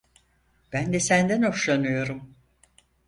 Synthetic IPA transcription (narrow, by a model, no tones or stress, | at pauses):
b̥ænd̪ɛsænd̪æno̞ʃlˠanɯjo̞ɾum